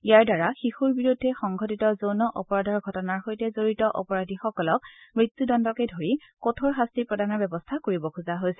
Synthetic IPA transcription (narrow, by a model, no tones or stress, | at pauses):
ijaɹdaɹaxixuɹbiɹudʱːɛxɔŋɡʱɔtitɔzownɔʔɔpɔɹadʱɔɹɡʱɔtɔnaɹxojtɛzoɹitɔʔɔ̰pɔɹadʱixɔkɔlɔk̚mɹit̪ːudɔndɔkedʱoɹi | kotʰoɹɦastipɹɔdanɔɹbɛbɔstʰakoɹibɔkʰuzaɦojsɛ̥